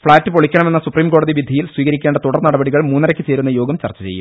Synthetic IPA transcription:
fɭaːtːɨpoɭikʲːɐɳɐme̞nːɐsupriːmko̞ːɽɐðiʋid̪ʱɐjilswiːɣɐɾikʲːeɳɖɐt̪uɽɐrnɐɽɐbɐɽiɣɐɭmuːnːɐɾɐkʲːɨt͡ɕe̞ːɾunːɐjo̞ːɡɐmt͡ɕɐ̰rt͡ɕːɐt͡ɕejːṵ

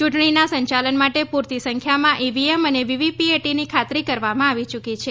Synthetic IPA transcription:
t͡ʃuʈɳ̃inasə̃ɲt͡ʃalənmaʈepuɾt̪isəŋkʰjamãʔiʋieməneʋiʋipieʈinikʰat̪ɾikəɾʋamãaʋit͡ʃukit͡ʃʰe

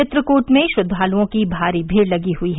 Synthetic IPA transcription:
ɪt̪ɾəkuːʈmẽʃʊd̪ʱːaːlõkibʱaːɾibʱeːɽlɐɡiɦʊiɦ

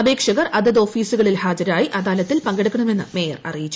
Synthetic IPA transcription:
ɐbe̞ːkʂɐɣɐrʔɐd̪ɐðo̞ːfiːsuɣɐɭilhaːd͡ʑɐɾaːjiʔɐd̪aːlɐt̪ːilpɐŋɡeɽukːɐɳɐme̞nːɨme̞ːjɐrɐ̰rijit͡ɕːu̥

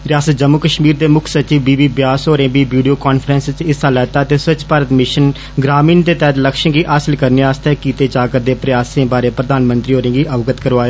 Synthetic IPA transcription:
ɾɪjaːsət̪̚d͡ʒəmːukəʃmiːɾd̪eːmʊkʰsət͡ʃiːʋbiːʋiːbjaːsɦoːɾẽːbiːʋiːɖijoːkɔːnfʰɾə̃ːnst͡ʃɪsaːlɛːt̪aːət̪eːsət͡ʃpaːɾət̪mɪʃən | ɡɾaːmiːnt̪eːt̪ɛːt̪ləkʃə̃ɡiːʔaːsəlkəɾneːaːst̪ɛːkiːt̪eːt͡ʃaːkəɾd̪eːpɾɪjaːsẽːbaːɾeːpɾəd̪aːnmənt̪ɾiːɦoːɾẽːɡiːʔəʋɡət̪kəɾʋaːeː

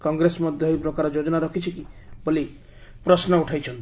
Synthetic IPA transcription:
kɔŋɡɾesɔmɔd̪ʱjɔɦjpɾɔkaɾɔd͡ʒod͡ʒɔnaɾɔkʰit͡ʃʰikiboli | pɾɔsnɔuʈʰajt͡ʃʰɔnt̪

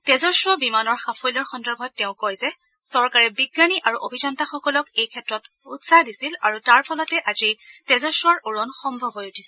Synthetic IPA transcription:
tɛzɔsɹɔbimanɔɹxapʰojlɔɹxɔndɔɹbʱɔːeʊ̃kojzɛ | sɔɹkaɹɛbiɡːaniʔaɹuʔobʱizɔntaxɔkɔlɔkejkʰɛtɹɔt | utsadisilaɹutaɹpʰɔlɔtɛʔazitɛzɔsɹɔɹuɹɔnxɔmbʱɔbɔjutʰi̥sɛ

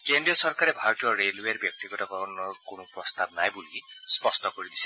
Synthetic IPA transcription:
kendɾijɔsɔɾkaɾebʱaɾɔtijɔɾelweɾbjɔk̚t̪iɡɔtakɔɾɔnɔɔkonɔpɾɔst̪abnajbulispɔstɔkɔɾid̪ise̥

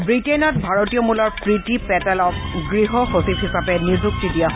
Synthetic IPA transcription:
bɹitenɔt̚bʱaɹotiɔmulɔɹpɹitipɛtɛlɔk̚ɡɹiɦɔxosipɦisapɛnizuk̚tidijaɦ

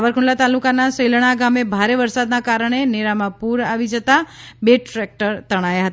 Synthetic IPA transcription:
ʋəɾkʰuɳlat̪alukanasəjləɽ̃aɡamebʱaɾeʋəɾsad̪nakaɾəɳ̃eneɾamãpuɾaʋid͡ʒət̪abeʈɾɛk̚ʈəɾt̪əɽ̃ajaɦət̪a

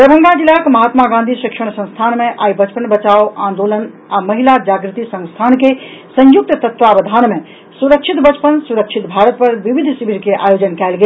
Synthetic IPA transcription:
pɾəbʱə̃ŋɡad͡ʒilakmɐɦaːt̪maɡãnd̪ʱiʃikʃəɽsə̃st̪ʰaːnmẽʔaːibət͡ʃpənbət͡ʃaːoãːnd̪olən | amɐɦilad͡ʒaːɡɾɪt̪isə̃ŋst̪ʰaːnkesə̃juk̚t̪t̪ət̪ʋabəd̪ʱaːnmẽ | suɾəkt͡ʃʰit̪bət͡ʃpənsuɾəkt͡ʃʰit̪bʱaːɾət̪̚pəɾʋiʋid̪ʱsibʱiɾkeʔa̰ːjoːd͡ʒənkɛːlɡe

